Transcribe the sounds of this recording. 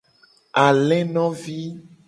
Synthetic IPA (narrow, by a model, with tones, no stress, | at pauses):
a˨lɛ̃˦nɔ̃˦vi˦